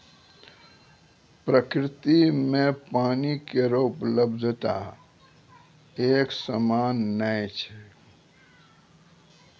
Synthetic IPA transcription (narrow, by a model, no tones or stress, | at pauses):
pɾəkɾɪt̪imẽpaːnikeɾoʊpləbd̪ʱt̪a̰ | eːksəmaːnːəjt͡ʃʰɛ̥